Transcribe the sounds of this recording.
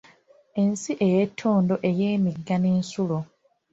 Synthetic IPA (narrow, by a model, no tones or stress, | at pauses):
e̞nsiʔe̞jetʰːo̞ːndo̞ʔe̞je̞ːmiɡːaneːnsulo